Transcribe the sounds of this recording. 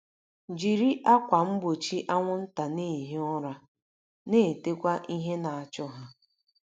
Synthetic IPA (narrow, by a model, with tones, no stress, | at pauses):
d͡ʒi˨ɾi˦ʔa˦kʷa˨m̩˦bo˨t͡ʃi˦ʔa˦ŋʷʊ˦n̩˦ta˨ne˦i˨ɦe˦ʊ˦ɾa˦ | ne˦˨te˦kʷa˦ʔi˦ɦe˦na˨a˨t͡ʃʊ˦ɦa˦